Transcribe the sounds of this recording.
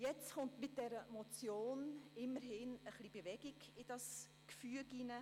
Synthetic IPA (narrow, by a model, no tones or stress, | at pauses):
jɛt͡sχʊntmɪt̚d̥ɛɾəmot͡sjoːnɪməɾɦɪnəχlib̥evɛɡɪɡɪd̥ɑs | kfyəɡinə